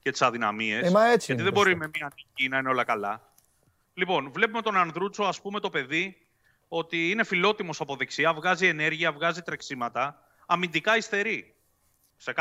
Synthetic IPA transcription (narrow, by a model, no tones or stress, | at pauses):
cet̪i̥sɐðinɐ̰mie̞seʝɐt̪iðebo̞ɾime̞miɐnicinɐineo̞lɐkɐlɐ̰ | lipo̞nvle̞pume̞t̪o̞nɐnðɾut͡soɐspume̞t̪o̞pe̞ði | o̞t̪iine̞filo̞t̪imo̞sɐpo̞ðeksiɐvɣɐzie̞ne̞ɾʝiɐvɣɐzit̪ɾeksimɐt̪ɐː | mind̪ikɐist̪e̞ɾi | sek